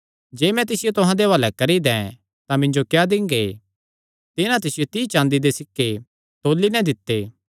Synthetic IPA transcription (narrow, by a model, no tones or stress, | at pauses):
d͡ʒeːmɛ̃t̪ɪsɪjot̪ʊɦãd̪eʋalɛkɐɾid̪ɛ̃ | t̪ãmɪ̃ɲd͡ʒokjad̪ɪ̃ŋɡe | t̪ɪnãt̪ɪsɪjot̪iːt͡ʃãːnd̪id̪esɪkːe | t̪oːlːinɛ̃d̪ɪt̪ːeː